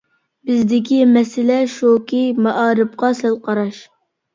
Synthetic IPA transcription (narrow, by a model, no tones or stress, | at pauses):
bɪzd̪ɪkʲʰimɛsɪlɛʃokimɑʔɑːɾɨp̚qɑsælˠqɑɾɑʃ